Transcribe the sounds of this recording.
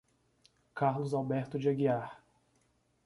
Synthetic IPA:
kaɾlʊzawbɛɾt̪ʊd͡ʒɪaɡiaɾ

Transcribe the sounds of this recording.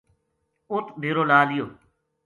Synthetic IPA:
ʊt̪b̪ʱeːɾoːlaːlɪjoː

